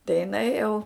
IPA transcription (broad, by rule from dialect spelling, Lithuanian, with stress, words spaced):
tɐɪ jɪˈnɐɪ jɛʊ